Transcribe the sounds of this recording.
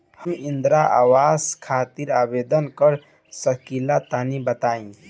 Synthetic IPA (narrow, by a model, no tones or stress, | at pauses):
həmind̪ɾaʔa̰wazkʰat̪iɾabed̪ənkəɾ | səkilat̪anibət̪aːĩ